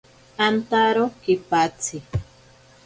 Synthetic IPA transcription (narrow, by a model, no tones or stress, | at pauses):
ant̪aɾokipat͡sʰɪ